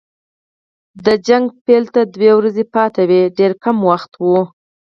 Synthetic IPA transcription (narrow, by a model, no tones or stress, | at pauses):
d̪əd͡ʒaŋɡpelt̪ad̪wewɾazepɑt̪awiɖeɾkamwaxt̪wu